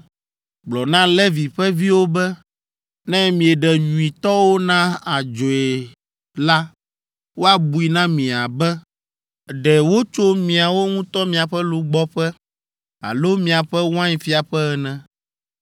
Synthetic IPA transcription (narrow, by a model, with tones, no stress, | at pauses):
ɡ͡blɔ˨nã˦lɛ˦vi˨ɸɛ˦vi˦wo˦bɛ˦ | nɛ̃˦mĩ˨ɛ˨ɖɛ˨ɲũ˨i˨t̪ɔ˦wo˦nã˦a˨d͡ʒo˨e˨ | la˦ | wo˦a˦bu˨i˨nã˦mĩ˨a˨bɛ˦ | ɖɛ˨wo˦t͡ʃo˦mĩ˨a˨wo˦ŋũ˦t̪ɔ˦mĩ˨a˨ɸɛ˦lu˦ɡ͡bɔ˦ɸɛ˦ | a̰˨lo˦mĩ˨a˨ɸɛ˦w̃ã˦ɲĩ˨fi˦a˨ɸɛ˦ɛ˨nɛ̃˨